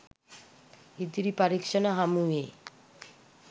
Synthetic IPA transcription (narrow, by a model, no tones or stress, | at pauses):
id̪ɾipaɾikʃonaɦamue